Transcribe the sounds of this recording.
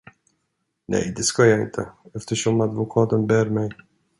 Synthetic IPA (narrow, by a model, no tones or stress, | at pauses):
nɛ̰jd̪ɪskɔjaɪ̰nt̪ʰɛɛft̪ɛɕɔmad̪vɔkʰat̪ɛmbɛɾmɛj